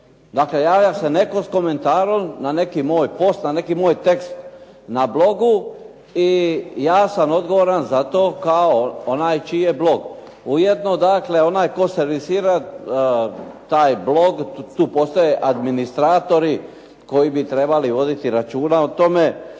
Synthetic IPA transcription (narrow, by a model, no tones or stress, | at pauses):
d̪akle̞jaːjasene̞ko̞sko̞me̞nt̪aːɾolnane̞kimo̞ːjpo̞st̪nane̞kimoːjt̪e̞kst̪ | nablo̞ɡu | ijaːsamo̞d̪ɡo̞ʋoɾanzat̪oːkaoonaːjt͡ʃije̞blo̞ɡ | ujed̪no̞d̪akle̞o̞naːjko̞seɾʋisiːɾa | t̪aːjblo̞ɡt̪uːpo̞st̪ojeʔad̪minist̪ɾaːt̪o̞ɾi | ko̞jibit̪ɾe̞baliʋo̞d̪it̪iɾat͡ʃuːnaot̪o̞me̞